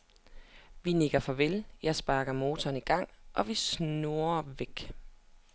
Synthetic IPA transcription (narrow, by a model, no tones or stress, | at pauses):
ʋine̝ɡ̥ɐfɒ̽ʋeljɑ̈ɪsb̥ɑ̈ːɡ̥ɐmo̝ːt͡sʰɒ̽ːniɡ̥ɑ̈ŋ̰ʔɒ̽ʋisnnuɐʋeɡ̥